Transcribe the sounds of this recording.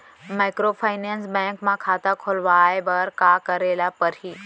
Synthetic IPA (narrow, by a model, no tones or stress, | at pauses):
maːɪkɾopʰaɪnẽːnsbɛ̃ːŋkmãkʰaːt̪akʰoːlʋaːebɐɾkakɐɾeːlapɐɾiː